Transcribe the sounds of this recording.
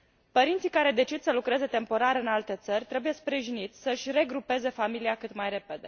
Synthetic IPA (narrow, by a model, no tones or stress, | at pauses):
pəɾint̪sikaɾe̞d̪e̞t͡ʃid̪səlukɾe̞ze̞t̪e̞mpo̞ɾaɾɨnalt̪e̞t̪sərʲt̪ɾe̞buje̞spɾiʒinit̪sʲsəɨʃʲre̞ɡɾupe̞ze̞familiakɨt̪majre̞pe̞d̪e̞